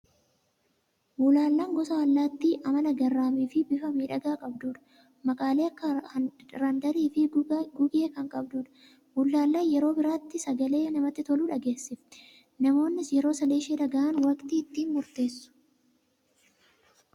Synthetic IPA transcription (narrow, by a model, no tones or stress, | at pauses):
muːlaːlːaːŋɡɔsɐwɐlːaːt̪ːiʔɐmɐnɐɡɐrːaːmiːfɪbɪfɐmiːᶑɐɡaːkʼɐbd̪uːᶑɐ̥ | mɐkʼaːleːɐkːɐɾɐnd̪ɐɾiːfɪɡʊɡeːkɐŋkʼɐbd̪uːᶑɐ̥ | bʊlːaːlːaːnjɛɾo̞ːbɪɾaːt̪ːɪsɐɡɐle̞ːnɐmɐt̪ːɪt̪ɔluːᶑɐɡe̞ːsːɪfɪ̥ | nɐmo̞ːnːɪsjɛɾo̞ːsɐleːʃeːᶑɐɡɐʔɐnwɐkt̪iːɪt̪ːiːnmʊɾt̪e̞ːsːʊ̥